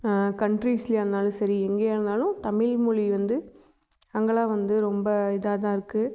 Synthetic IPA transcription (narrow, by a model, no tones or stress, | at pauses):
kɐɳɖɾiːsliɐɾɯnd̪aːlʊ̃sɐɾiɛŋɡeːɾɯnd̪aːlʊ̃t̪ɐmɪɭmʊɻiʋɐnd̪ɯ | ɐŋɡɐɭaːʋɐnd̪ɯɾɔmbɐɪðaːt̪ãːɪɾɯkːɯ